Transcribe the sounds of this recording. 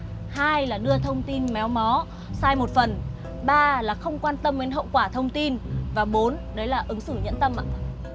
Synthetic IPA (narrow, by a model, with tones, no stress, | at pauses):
haː˧jlaː˨˩ɗɨ˧ət̪ʰə˧wŋ͡mt̪i˧nmɛ˨˦wmɔ˨˦ | saː˧jmo˨˩t̚fə˨˩n | ɓaː˧laː˨˩xə˧wŋ͡mkwaː˧nt̪ə˧me˨˦nɦə̰˧˨wkwaː˧˩t̪ʰə˧wŋ͡mt̪i˧nvaː˨˩ɓo˨˦nɗə˨˦jlaː˨˩ʔɨ˨˦ŋsɨ˧˩ɲə̰˧˥nt̪ə˧mʔa̰ː˧˨